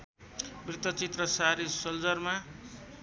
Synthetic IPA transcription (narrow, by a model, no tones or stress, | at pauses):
mrit̪ʌt͡sit̪rʌsaɾisʌld͡zʌrma